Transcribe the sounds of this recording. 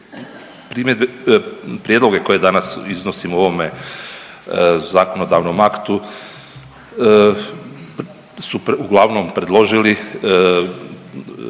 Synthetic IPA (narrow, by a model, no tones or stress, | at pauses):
pɾiːmed̪̚bepɾjed̪loɡe̞ko̞je̞d̪anasizno̞simuo̞ʋo̞me | zako̞no̞d̪aʋnomakt̪u | suuɡlˠaʋnompɾe̞d̪lˠo̞ʒili